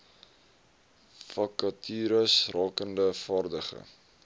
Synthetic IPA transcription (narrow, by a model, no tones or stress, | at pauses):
fɐkɐtʰyːɾəsrɑːkəndəfɑːrdəχə̰